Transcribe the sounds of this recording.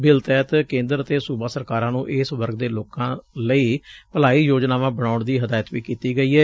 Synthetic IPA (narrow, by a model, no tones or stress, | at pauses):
bɪlt̪ɛːt̪kẽːnd̪əɾət̪eːsuːbaːsəɾkaːɾãːnũːʔɪsʋəɾɡd̪eːloːkãːləiːpəlaːiːjoːd͡ʒnaːʋãːbəɽaːʊɳd̪iːɦəd̪aːjət̪ʋiːkiːt̪iːɡəiːɦɛː